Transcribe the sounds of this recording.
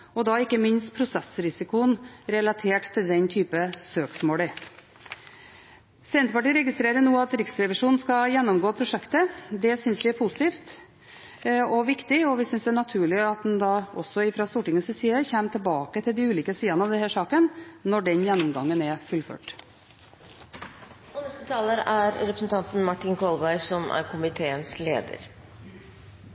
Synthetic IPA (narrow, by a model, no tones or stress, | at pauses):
ɔd̪ɑɪkːəmɪnst̪pʰɾʊsɛsɾɪsɪkʊənɾɛlɑt̪ʰeːʈt̪ʰːɪld̪ɛnt̪ʰyːpəsøːksmoːlə | sɛʋɛnt̪əpɑʈiːɾɛɡɪst̪ɾeːɾənuːɑt̪ɾɪksɾɛʋɪʂuːnn̩skɑjɛnːɔmɡoːpʰɾʊʂɛkt̪əd̪ɛsʏnsʋɪæɾpʰʊsɪt̪iːft̪ | ɔʋɪkt̪ɪɔʋɪsʏnsd̪ɛæɳɑt̪ʰʉːɭɪɑt̪̚d̪ɛnd̪ɑʔɔsːɔɪfɾɑst̪uːʈɪŋːəsɪsiːəçæːmət̪ʰɪlbɑːkət̪ʰɪld̪ɪʉːliːkəsiːɑnəɑʋd̪ɛnhæːʂɑːkənnɔɖɛnjɛnːɔmɡɑŋːənɛfʉlfø̰ːʈ | ɔnɛst̪ət̪ʰɑːləɾæɾɾɛpɾsnt̪ʰɑnt̪n̩mɑʈːɪnkʰɔlˠbæɪsɔmæ̰ɾkʰʊmɪt̪ʰeːənslḛːd̪ə̰ɾ